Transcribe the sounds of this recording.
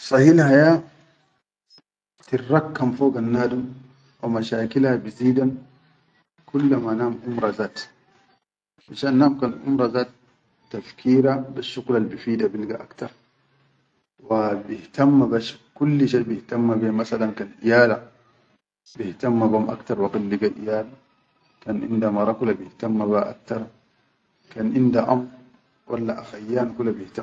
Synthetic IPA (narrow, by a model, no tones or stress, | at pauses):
sˤɑhilhaja | tirːɑkːamfoːɡanːaːdum | wamaʃaːkilhabiziːdan | kulːamanaːmʔumɾˤazaːt | ʔaʃaːnːaːmkanʔṵmɾˤazaːtː | afkʰiːɾabaʃːuɡlalbifiːdabilɡa̰ʔakt̪ɑɾˤ | wabihtamːabaʃkulːiʃajbihtamːabimasalankanʔijaːla | bihtamːabamʔa̰kt̪ɑɾˤwaqilːiɡaʔḭjaːla | kanʔḭndamɑɾˤɑkulabihtamːabaʔa̰k̚t̪ɑɾˤ | kanʔindaʔamɾ | wʔalːaʔaxajːaːnkulabihta